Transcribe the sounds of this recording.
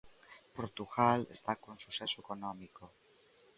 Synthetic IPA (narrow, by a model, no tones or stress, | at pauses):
poɾt̪uɣalest̪akõnsusesoekonomiko